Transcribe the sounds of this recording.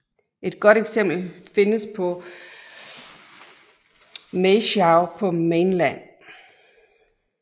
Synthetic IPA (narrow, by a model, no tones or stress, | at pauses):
ʔe̝d̥̚ɡ̥ɒ̽ɾ̥eɡ̥sem̰b̥l̩fe̝nəspʰɒ̽ | meɕɑʊpʰɒ̽menlæn̰